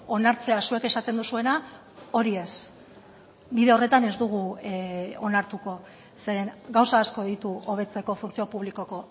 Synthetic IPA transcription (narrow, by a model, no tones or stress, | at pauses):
o̞naɾt͡se̞asue̞ke̞sat̪e̞nd̪usue̞na | o̞ɾie̞s | biðe̞o̞re̞t̪ane̞zd̪uɣ̞u | onaɾt̪uko̞ | seɾeŋɡawsaːsko̞ðit̪uo̞β̞e̞t͡se̞ko̞funt͡sio̞puβliko̞ko̞